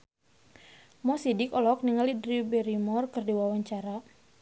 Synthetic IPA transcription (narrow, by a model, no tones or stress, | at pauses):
mɔsidɪkɔlɔk̚niŋalidɾibɛɾimɔrkɨrdiwawaɲt͡ʃaɾa